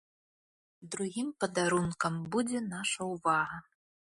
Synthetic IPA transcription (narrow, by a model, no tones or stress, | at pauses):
d̪ɾuɣʲimpɐd̪aɾunkɐmbud͡zʲɛnaʂɐuvaɦɐ